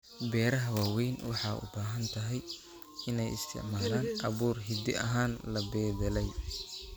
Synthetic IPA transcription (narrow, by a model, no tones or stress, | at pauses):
bɛːɾɐɦɐwaːwɛjnwɑħɑːʔʊ̰baːɦɐnt̪ʰɐɦɛj | ɪnɛjɪ̰st̪ʰɪ̰ʕmaːlaːnʔɐβuːrɦɪd̪ɪ̰ʔɐ̰ɦaːnlɐbɛːðɛlɛj